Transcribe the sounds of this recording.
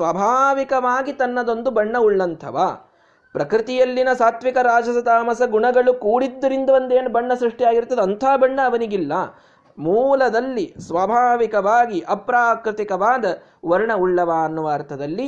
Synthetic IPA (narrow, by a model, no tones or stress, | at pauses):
sʋɐbʱaːʋikɐʋaːɡit̪ɐnːɐd̪ond̪ubɐɳːɐuɭːɐnt̪ʰɐ̰ʋa | pɾɐkɾit̪ijɐlːinɐsaːt̪ʋikɐɾaːd͡ʒɐsɐt̪aːmɐsɐɡuɳɐɡɐɭukuːɽid̪ːɐɾind̪ɐond̪eːnubɐɳːɐsɾiʂʈijaːɡiɾt̪ːɐd̪eɐnt̪ʰaːbɐɳːɐːʋɐniɡilːɐ | muːlɐd̪ɐlːisʋɐbʱaːʋikɐʋaːɡiʔɐpɾaːkɾɪt̪ikɐʋaːd̪ɐ | ʋɐɾɳɐuɭːɐʋaːɐnːuʋaːɾt̪ʰɐd̪ɐlːi